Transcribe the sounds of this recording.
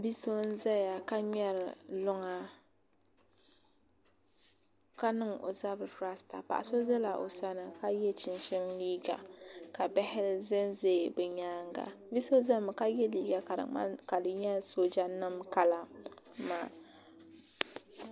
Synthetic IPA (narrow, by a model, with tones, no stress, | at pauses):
bi˦so˦n̩˦za˦ja˨ka˦ɲ˦ɛ˦ɾɨ˨lʊ˦ŋa˨ | ka˦nɨ˦ŋo̰˨za˦bɨ˨fɾa˦sta̰˨pa̰˨ʔa̰˨so˦zɛ˦la˨ʔo̰˨sa˦nɨ˨ka˦jɛ˦t͡ʃɪ˨nʃɪ˦mliː˦ɡa̰˨ka˨bɛ˦hɪ˦zɛ˦nze˦˨bɛ˨ɲaː˦ŋɡa̰˨ | bi˦so˦za˦m˨ka˦jɛ˦liː˦ɡa˨ka˨ɾɨ̰˨ma̰˦ka˨dɨ˨ɲɛ˦so˦d͡ʒa˦nɨ˦mka˦la˨ | ma̰ː˦˨